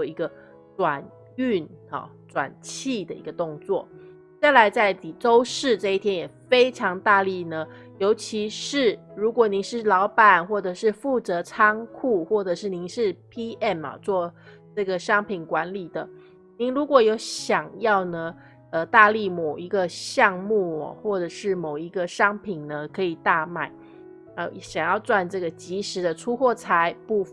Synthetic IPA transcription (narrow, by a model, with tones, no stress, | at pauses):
ɔ˥˧i˧˥ɡə˧ | ʈ͡ʂwa˨˩n | y˥˩nɑ̰˨˩ | ʈ͡ʂwa̰˨˩nt͡ɕʰi˥˩d̪ə˩ḭ˧˥ɡə˧t̪o˥˧ŋt͡swɔ˥˩ | t͡sa˥˩ɪla˧˥ɪt͡sa˥˩ɪt̪i˨˩ʈ͡ʂo˥ʊʂɻ̩˥˧ʈ͡ʂɤ˥˧i˥˩t̪ʰjɛ˥njɛ˨˩fe˥ɪʈ͡ʂʰɑ˧˥ŋt̪a˥˧li˥˩nə˩ | jo˧˥ʊt͡ɕʰi˧˥ʂɻ̩˥˩ɻu˧˥kwɔ˨˩ni˧˥˦nʂɻ̩˥˩lɑ˧˥ʊpa˨˩nxwɔ˥˩ʈ͡ʂɤ˨˩ʂɻ̩˥˧fu˥˩t͡sɤ˧˥ʈ͡ʂʰɑ˥ŋkʰu˥˧xwɔ˥˩ʈ͡ʂɤ˨˩ʂɻ̩˥˩ni˧˥ŋʂɻ̩˥˩pʰi˥ʔɛ˥˩nɐ̰˨˩t͡swɔ˥˧ | ʈ͡ʂɤ˥˩ɡə˩ɕɑ˥ŋpʰi˨˩nkwa˧˥nli˨˩d̪ə˦ | ni˧˥ŋɻu˧˥kwɔ˨˩jo˧˥ʊɕjɑ˨˩ŋjɑ˥˩ʊnə˩ | ə˧t̪a˥˧li˥˩mo˨˩ʊi˧˥ɡə˧ɕjɑ˥˧ŋmu˥˩ɐ̰˨˩xwɔ˥˩ʈ͡ʂɤ˨˩ʂɻ̩˥˩mo˨˩ʊi˧˥ɡə˧ʂɑ˥ŋpʰi˨˩nnə˩kʰɤ˧˥i˨˩t̪a˥˩ma˨˩˦ɪ | ə˧jɕjɑ˨˩ŋjɑ˥˧ʊt͡swa˥˧nʈ͡ʂɤ˥˩ɡə˩t͡ɕi˧˥ʂɻ̩˧˥˦d̪ə˧ʈ͡ʂʰu˥xwɔ˥˩t͡sʰa˧˥˦ɪpu˥˧